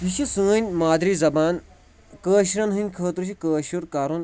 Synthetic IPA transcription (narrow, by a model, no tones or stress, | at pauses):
ɦiʃisɨ̃ːnʲmaːd̪ɾiːzɐbaːn | kəːʃɾɐnɦɨnʲkʰəːt̪ɾuʃ̬ikəːʃuɾkaːɾun